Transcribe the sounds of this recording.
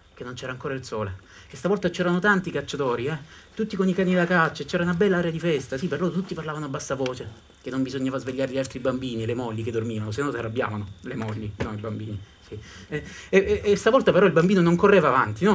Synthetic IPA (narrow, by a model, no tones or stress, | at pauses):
kenːont͡ʃɛːɾaːŋkoːɾailsoːle | kest̪avɔlt̪at͡ʃɛːɾanot̪ant̪ikat͡ʃːat̪oːɾiɛt̪ut̪ːikonikaːnid̪akat͡ʃːat͡ʃɛːɾaunabɛlːaaːɾjad̪ifɛst̪asiperloːɾot̪ut̪ːiparlaːvanoabːasːavoːt͡ʃe | kenːombizoɲːaːvazveʎːaːɾeʎialt̪ɾibambiːnilemɔʎːiked̪ːormiːvanosenɔnsarabːja̰ːvanolemɔʎːinoibambiːni | siɛɛst̪avɔlt̪apeɾɔilbambiːnonoŋkorːeːvaːva̰nt̪inɔ